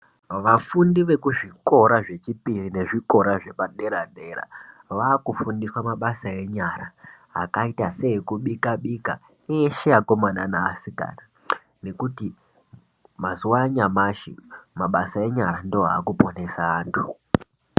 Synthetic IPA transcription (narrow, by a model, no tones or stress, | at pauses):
ʋafundiʋe̞kuʐiko̞ɾaʐe̞t͡ʃipirine̞ʐiko̞ɾaʐe̞paɗe̞ɾaɗeɾa̰ʋaːkufundiswamaɓasae̞ɲaɾaɦa̰kaitase̞ekuɓikaɓika | ejeʃejako̞mananaa̰sika̰na | ne̞kuti | mazuwaɲamaʃḭmaɓasae̞ɲaɾandooɦa̰ːkupo̞ne̞saːntʰu